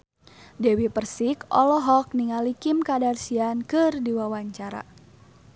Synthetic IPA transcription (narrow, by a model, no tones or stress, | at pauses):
dɛwipərsikɔ̰lɔɦɔk̚niŋalikimkadarsiankɨrdiwawaɲt͡ʃaɾa̰